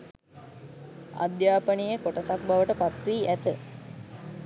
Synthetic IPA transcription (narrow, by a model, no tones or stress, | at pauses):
a̰d̪jaːpənijəkoʈəsak̚baʋəʈəpat̪ʋiːʔæt̪ə